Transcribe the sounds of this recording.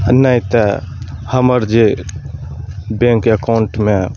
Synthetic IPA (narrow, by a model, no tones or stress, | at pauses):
nəit̪əhəməɾd͡ʒe | bẽŋkəkaʊɳʈme